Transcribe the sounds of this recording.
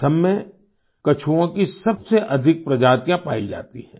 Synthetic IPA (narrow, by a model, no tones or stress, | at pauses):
sɐmːẽ | kɐt͡ʃʰuõkisɐbseʔɐd̪ʱɪk̚pɾɐd͡ʒaːt̪ijãpaːid͡ʒa̰ːt̪iɦɛ̃ː